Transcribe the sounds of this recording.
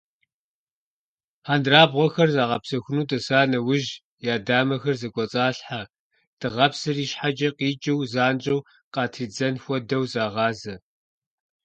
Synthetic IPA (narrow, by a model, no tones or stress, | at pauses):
haːndraːbʁʷɔxɐrzaːʁɐpsɐxʷʊnuːtʼɐsaːnɐwʊʒ | jaːdaːmɐxɐrzɐɡʷʼɔt͡sʼaːɬħa | tɨʁɐpsɨriːʃħad͡ʒɐqiːt͡ʃʼɪwzaːnt͡ʃʼɐw | qɑːtʰiːd͡zɐnxʷɔdɐwzaːʁɑːzɐ